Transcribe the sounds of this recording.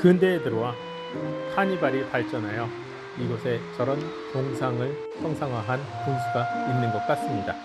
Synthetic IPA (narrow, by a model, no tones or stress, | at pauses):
kɯndeːdɯɾowa | hʰaɲibaɾipaɭt͡ɕ͈ʌnajo | iɡʌsʰe̞t͡ɕʌɾʌn | t͡ɕoŋsʰaŋɯɭ | sʰʌŋsʰaŋwaɦan | kunsʰuɡainːɯnɡʌt̚k͈as͈ɯmɲida